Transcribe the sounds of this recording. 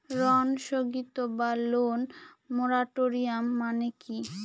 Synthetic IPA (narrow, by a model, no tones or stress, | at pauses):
ɾɔnʃoɡit̪obalonːoɾaʈoɾiamːaneki